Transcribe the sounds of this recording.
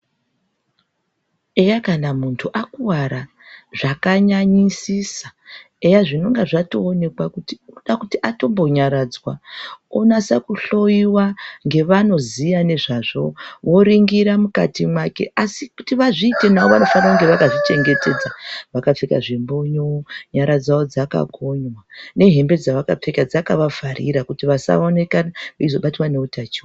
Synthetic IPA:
ejakanamuntʰuʔakuwaɾa | ʐakaɲaɲisisḁ | ejaʐino̞ŋɡaʐato̞ːne̞kwakutiuɗakutiʔato̞mbo̞ɲaɾad͡zwaonasakuɬo̞jiwaŋɡe̞ʋano̞zijane̞ʐaʐo̞ʋo̞ɾiŋɡiɾamuka̰timwake̞̰ʔasikutiʋaʐiːte̞naoʋano̞fanauŋɡe̞ʋakaʐit͡ʃe̞ŋɡe̞te̞d͡zaʋakap͡feka̰ʐimbo̞ɲoɲaɾad͡zaod͡zaka̰ɡʱo̞ɲwane̞ɦe̞mbe̞d͡zaʋakap͡fe̞kad͡zakaʋavʱaɾḭɾakutiʋasa̰one̞kanaizo̞ɓatiwaneutat͡ʃiwa

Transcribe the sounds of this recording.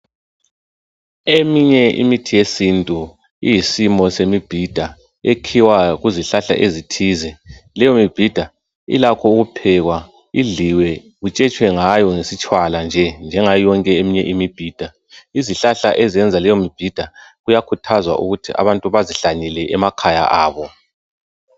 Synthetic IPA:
emiɲɛḭmitʰijesintʼu | ijisimɔsemib̥ʱid̥ʱa | ekʰiwaɣuziɬaɬa̰ʔezitʰizɛlɛjomib̥ʱid̥ʱa | ḭlakʰɔuɣupʰɛɣwa | iɮiwɛ | ɣut͡ʃʼɛt͡ʃʼwɛŋajɔŋesit͡ʃʼwaland͡ʒʱɛnd͡ʒʱɛŋajɔŋkʼɛemiɲɛʔimib̥ʱiːd̥ʱa | iziɬaɬa̰ʔɛzɛnd͡zʱalɛjomib̥ʱid̥ʱaɣujakʰutʰazwa̰ʔṵɣutʰiʔa̰βantʼuβaziɬaɲilɛʔɛmakʰaja̰ʔaːβɔ

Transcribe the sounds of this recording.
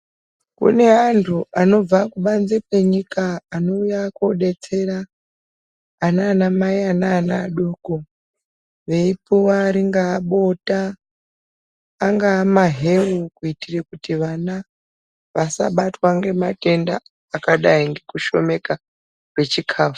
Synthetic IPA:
kṵne̞antʰuʔano̞b͡vakuɓanzekwe̞ɲikaːno̞ujakoɗe̞t͡se̞ra | naːnamaianaːnaɗoko | ʋe̞ipuwaːɾiŋɡaːɓo̞ta | ŋɡaːmaɦe̞rukuitirekutiʋana | ʋasa̰ɓatwaŋɡe̞mate̞nda̰ː | kaɗaiŋɡe̞kuʃo̞̰me̞ka | rwe̞t͡ʃikʰaːfu̥

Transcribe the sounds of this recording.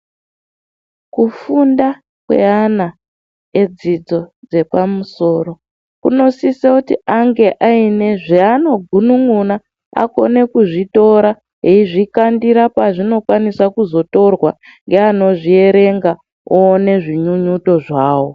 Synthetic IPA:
kufunda | kwe̞̰ana | ed͡zid͡zo̞d͡ze̞pamuso̞ːɾo̞ | kṵno̞sisakutiʔaŋɡe̞ʔaine̞ʐeano̞ɡʱunuŋuna | a̰ko̞̰ne̞kuʐito̞ɾa | ɦeiʐikandiɾapaʐino̞kwanisakuzo̞to̞rwa | ŋɡe̞ano̞ʐie̞ɾe̞ŋɡa | oːne̞ʐiɲuɲuto̞ʐaːwo̞

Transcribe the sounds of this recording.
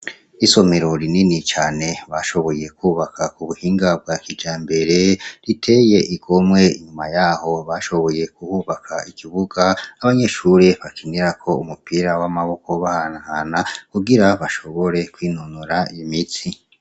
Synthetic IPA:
iso̞me̞ɾo̞ɾininit͡ʃaːne̞βaʃo̞βo̞je̞kuːβakʰakuβuhiːŋɡab̚ɡakid͡ʒaːmbe̞ɾe̞ɾitʰe̞je̞ʔiɡo̞mwe̞iɲumajaːho̞βaʃo̞βo̞je̞kuhuβakʰaikiβuɡaaβaɲe̞ʃuɾeβakʰiniɾakʰo̞umupiɾawamaβo̞ko̞βahanahanakuɡiɾaβaʃo̞βo̞ɾe̞kwiːnunuɾaijimit͡si

